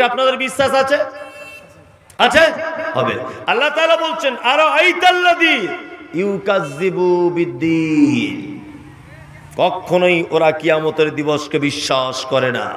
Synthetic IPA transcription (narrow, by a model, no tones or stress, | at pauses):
apnad̪eɾbiʃːaʃat͡ɕʰe | at͡ɕʰeɦɔbḛɐlːat̪aːlabolt͡ɕʰenaɾoɐjt̪alːad̪ijukazːibubid̪ːin | kɔkʰːonojʔoɾakijamot̪eɾd̪iboʃkebiʃːaʃkɔɾena̰